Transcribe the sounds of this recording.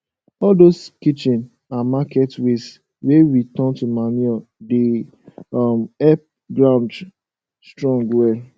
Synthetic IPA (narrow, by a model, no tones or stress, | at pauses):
ɔldoskit͡ʃĩn | amakɛtwes | weɹitɔ̃ntumanɛde | ɔmɛp̚ | ɡɹãʊ̃nd | stɹɔ̃ŋɡwɛ